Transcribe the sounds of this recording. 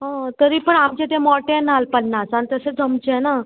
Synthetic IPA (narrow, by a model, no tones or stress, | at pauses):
ɦɔ̃t̪əɾiːpəɳamt͡ɕet̪emɔʈẽnalpənːasant̪əsed͡zʱəmt͡ɕena